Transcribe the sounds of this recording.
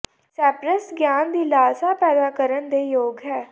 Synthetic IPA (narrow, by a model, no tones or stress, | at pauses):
sɛːpɾəsɡjaːnd̪iːlaːsaːpɛːd̪aːkəɾənd̪eːjoːɡɦɛː